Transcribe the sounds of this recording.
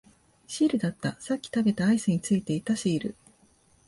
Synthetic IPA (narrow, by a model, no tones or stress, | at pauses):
ɕiːɾɯ̟d̪at̪ːasakʲːi̥t̪abe̞t̪aːisɨɲ̟it͡sɨit̪e̞it̪aɕiːɾɯ̟̰